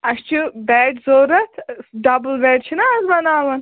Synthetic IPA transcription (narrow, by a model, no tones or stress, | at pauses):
ɐʃt͡ʃʰibɛːʈzoːɾɐt̪ʰɖɐblbeːʈt͡ʃʰinɐɐzbɐnaːʋɐn